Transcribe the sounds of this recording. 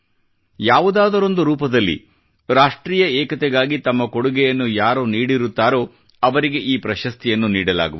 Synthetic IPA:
jaːʋud̪aːd̪ɐɾo̞nd̪uɾuːpɐd̪ɐlːḭ | ɾaːʂʈɾiːjɐɛːkɐt̪ɛɡaːɡit̪ɐmːɐkoɽuɡɛjɐnːujaːɾoːniːɽiɾut̪ːaːɾo̞ː | ɐʋɐɾiɡe̞ʔiːpɾɐʃɐst̪ijɐnːuniːɽɐla̰ːɡṵʋ

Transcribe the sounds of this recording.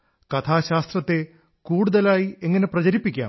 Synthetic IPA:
kɐt̪ʰaːɕaːst̪rɐt̪ːe̞ | kuːɽuðɐlaːjieŋːɐne̞prɐt͡ɕɐɾipːikʲːa̰ːm

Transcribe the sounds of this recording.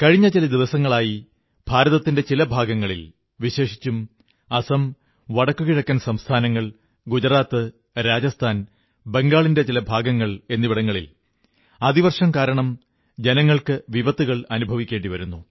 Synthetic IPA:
kɐɻiɲːɐt͡ɕilɐd̪iʋɐsɐŋːɐɭaːji | b̥ʱaːɾɐðɐt̪ːinde̞t͡ɕilɐbʱaːɡɐŋːɐɭḭl | ʋiɕe̞ːʂi̥t͡ɕːum | ɐsɐm | ʋɐɽɐkːuɣiɻɐkːɐːnsɐmst̪ʰaːnɐŋːɐɭ | ɡud͡ʑɐɾaːt̪ːɨ | ɾaːd͡ʑɐst̪ʰaːn | be̞ŋɡaːɭinde̞t͡ɕilɐbʱaːɡɐŋːɐɭe̞nːiʋiɽɐŋːɐɭḭl | ɐðiʋɐrʂɐmkaːɾɐɳɐm | d͡ʑe̞nɐŋːɐɭkɨʋiʋɐt̪ːuɣɐɭɐnubʱɐʋikʲːe̞ːɳɖiʋɐɾunːu

